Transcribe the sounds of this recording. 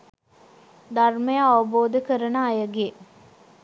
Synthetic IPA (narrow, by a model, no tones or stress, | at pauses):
d̪arməjəaʋəboːd̪əkəɾənaːjəɡe